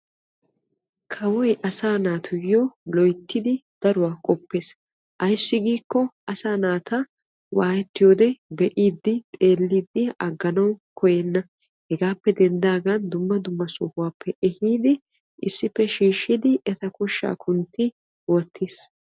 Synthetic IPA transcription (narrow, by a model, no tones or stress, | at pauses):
kʰɐwɔjʔɐsaːnaːt̪ʰʊjːoːlɔjt̪ʰːɪd̪ɪd̪̥ɐɾʊwaːkʼɔpːe̞ːs | ʔɐjsːɪɡiːkːɔʔɐsaːnaːt̪ʰɐ | wʔaːjɛt̪ːɪjoːd̪ɛbɛʔiːd̪ːɪt̪ʼe̞ːlːid̪ːɪɐɡːɐnɐwkʰɔjɛnːɐ | hɛɡaːpːɛd̪ɛnd̪aːɡɐnd̪ʊmːɐd̪ʊmːɐsʊːhʊwaːpʰːɛʔɛhiːd̪ɪ | ʔɪsːɪpːɛʃiːʃːɪd̪ɪʔɛt̪ɐkɔʃːa̰ːkʰʊnt̪ʰːɪ | wɔt̪ʰːiːs